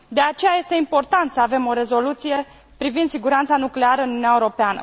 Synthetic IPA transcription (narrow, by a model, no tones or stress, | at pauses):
d̪e̞at͡ʃe̞jaje̞st̪eimpo̞rt̪ant̪səave̞mo̞ɾe̞zo̞lut̪sije̞ | pɾivind̪siɡuɾant̪sanukle̞aɾəɨnununiaeuɾo̞peanə̰